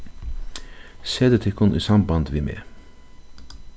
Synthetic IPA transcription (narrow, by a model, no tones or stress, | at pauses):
seːd̪ət̪ʰɪkʰʊnʔḭːsɑmbɑnd̪ʋɪːmḛː